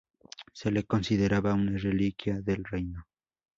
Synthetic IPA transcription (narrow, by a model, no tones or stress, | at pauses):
selekonsiðeɾaβaunarelikjaðelrejno